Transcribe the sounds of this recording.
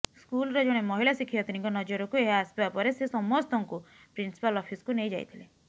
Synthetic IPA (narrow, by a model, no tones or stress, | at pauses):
skulɔɾɔd͡ʒoɽ̃emɔɦilasikʰijɔt̪iniŋkɔnɔd͡ʒɔɾɔkueɦaːsbbapɔɾesesɔmɔst̪ʰɔŋku | pɾinsi̥palɔpʰiskunejd͡ʒaj̰t̪ʰile